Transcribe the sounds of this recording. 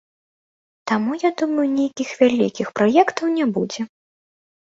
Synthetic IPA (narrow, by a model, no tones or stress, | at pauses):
t̪amujad̪umɐjunʲejkʲixvʲalʲḭkʲixpɾɔjɛkt̪ɐwnʲɛbud͡zʲɛ